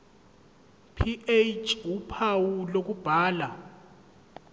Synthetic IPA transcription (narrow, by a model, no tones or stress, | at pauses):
pʰiʔet͡ʃʰʼwupʰawulok̬ub̥ʱaːla